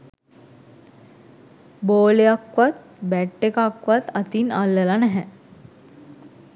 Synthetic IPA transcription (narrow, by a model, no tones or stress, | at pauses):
boːlejakʋat̪̚ | bæʈːekakʋat̪at̪inalːəlanɛɦɛ